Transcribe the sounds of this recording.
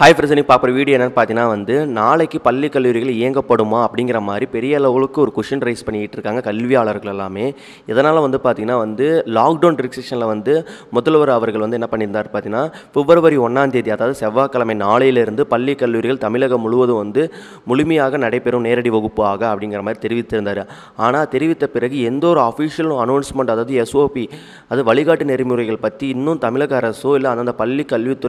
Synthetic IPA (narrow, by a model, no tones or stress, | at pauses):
haːjfɾɪsɐnɪŋk̚paːɾpːɯɾɐʋiːɽɪjɐɛnːɐnpaːɾt̪ĩŋnaːʋɐnd̪ɯnaːɭɐɪkːɯpɐlːikːɐlːuːɾɪɣɐɭɪjɐŋɡɐpːɐɽɯmaːɐpːɐɽɪŋɡɪɾɐmaːd̪ɾipɛɾɪjɐɛlɐʋɯɣɐɭɯkːɯɔɾɯkʊʂɐnɾɐɪspɐɳːɪjɪʈːɾɯkːaːŋɡɐkɐlʋɪjaːɭɐɾɣɐɭɛlːaːmeː | ɛðɐnaːlɐʋɐnd̪ɯpaːɾt̪iŋɐnːaːʋɐnd̪ɯlaːkɖɐːnɖɪɾɪkseʂɐnlɐʋɐnd̪ɯmʊðɐlʋɐɾɐʋɐɾɣɐɭʋɐnd̪ɯɛnːɐpɐɳːɪɾɯnd̪aːɾpaːɾt̪iŋnaː | fɪʋːɐɾɐʋɐɾiɔɳːaːnd̪eːðiɐðaːʋɯðɯsɛʋːaːkːɐlɐmɐɪnaːɭɐjɪlɪɾɯnd̪ɯpɐlːikːɐlːuːɾɪɣɐɭt̪ɐmɪɭɐɣɐmʊɭʊʋɐðɯʋɐnd̪ɯ | mʊɭʊmɐjaːɣɐnɐɽɐɪpːɛɾɯmneːɾɐɽiʋɐɣɯpːɯaːɣɐɐpːɐɽɪŋɡɪɾɐmaːd̪ɾit̪ɛɾɪʋɪt̪ːɪɾɯnd̪aːɾɯ | aːnaːt̪ɛɾɪʋɪt̪ːɐpɪɾɐɣɯɛnd̪oːɾɯɐfiːsɪjɐlʊ̃ɐnoːnsmɛɳɖɐðaːʋɯðɯɛsoːpi | ɐðɯʋɐɭɪɣaːʈːɯnɛɾɪmuːɾɐɪɣɐɭpɐt̪ːiɪnːɯ̃t̪ɐmɪɭɐɣɐːɾɐsoːɪlːɐɐnd̪aːnd̪ɐpɐlːikːɐɭʋit̪ːʊ